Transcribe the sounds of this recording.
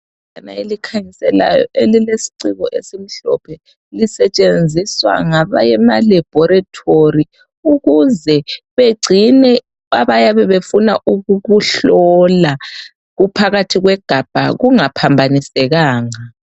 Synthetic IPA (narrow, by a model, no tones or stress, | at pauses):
ana̰elikʰaɲisɛla̰jɔ̰ʔelilesi̥ǀiɣɔʔesem̩ɬɔ̰pʰɛ | lisɛt͡ʃʼend͡zʱiswa̰ŋaβa̰jɛmalɛb̥ʱɔɾatʰori | uɣuzɛβeɡ͡ǀʱinɛ | aβajaβɛβefuna̰ʔuɣuɣuɬɔla | ɣupʰaɣatʰiɣwɛɡ̥ʱab̥ʱa̰ɣuŋapʰambʱanisɛɣaːŋa